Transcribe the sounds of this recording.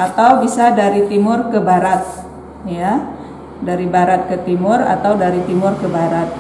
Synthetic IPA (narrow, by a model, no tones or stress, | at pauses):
ʔat̪awbisadaɾit̪imʊrkəbaɾat̪̚ | ja | daɾibaɾat̪̚kət̪imʊra̰t̪awdaɾit̪imʊrkəbaɾat̪̚